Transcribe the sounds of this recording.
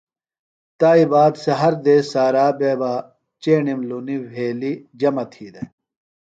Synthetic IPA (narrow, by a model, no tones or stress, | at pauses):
t̪aːibaːd̪sɐɦɐɾd̪eːsaːɾaːbeːba | t͡ɕeːɳimluniʋʱeːlid͡ʑɐmɐt̪ʰiːd̪e